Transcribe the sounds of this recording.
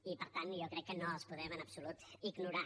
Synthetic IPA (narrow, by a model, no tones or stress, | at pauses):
ipəɾt̪anjokɾɛkːənoəlˠspuðɛmənəpsulut̪iɡnuɾa